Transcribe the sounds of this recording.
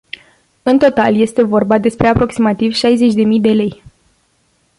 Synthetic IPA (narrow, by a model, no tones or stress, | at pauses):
ɨnt̪o̞t̪alje̞st̪e̞vo̞rbad̪e̞spɾe̞apɾo̞ksimat̪ivʃajze̞t͡ʃʲd̪e̞mijd̪e̞le̞j